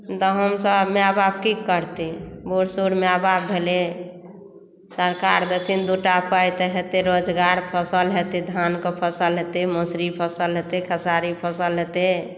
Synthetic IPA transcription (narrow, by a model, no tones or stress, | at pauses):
t̪ɔɦəmsəbmeabab̚kikəɾt̪eboɽsuɾmeababʱele | səɾkaɾd̪ət̪ʰind̪uʈapajt̪eɦet̪eɾod͡ʒɡaɾpʰəsəlɦet̪ed̪ʱankopʰəsəlɦet̪emosɾipʰəsəlɦet̪ekʰəsaɾipʰəsəlɦet̪e